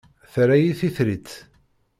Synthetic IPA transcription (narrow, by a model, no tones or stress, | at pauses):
θɾæjiθiθɾit͡sː